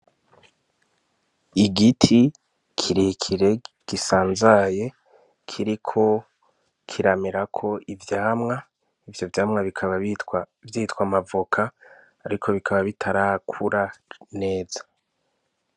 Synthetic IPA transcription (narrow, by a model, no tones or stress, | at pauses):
iɡitʰi | kʰiɾikʰiɾe̞ | ɡ̥isaːnzaje̞ | kʰiɾikʰo̞ | kʰiɾameɾakʰo̞ivjaːmŋa | ivjo̞vjaːmŋaβikʰaβa | vjitwamavokʰaː | ɾikʰo̞βikʰaβaβitʰaɾakʰuɾane̞ːzḁ